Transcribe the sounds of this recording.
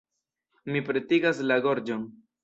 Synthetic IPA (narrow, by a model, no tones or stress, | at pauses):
mipɾe̞tiɡaslaɡo̞ɾd͡ʒon